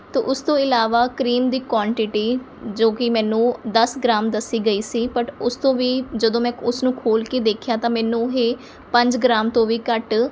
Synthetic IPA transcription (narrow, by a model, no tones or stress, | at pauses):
t̪o̰ːʔʊst̪õːɪlaːʋaːkɾiːmd̪iːkwaːɳʈɪʈiː | d͡ʒoːkɪmɛ̃ːnũːd̪əsɡɾaːmd̪əsːiːɡəiːsiːpəʈʊst̪õːʋiːd͡ʒəd̪õːmɛ̃ːʊsnũːkʰoːlkeːd̪eːkʰjaːt̪ãːmɛ̃ːnũːɦeː | pə̃ɲd͡ʒɡɾaːmt̪õːʋiːkəʈ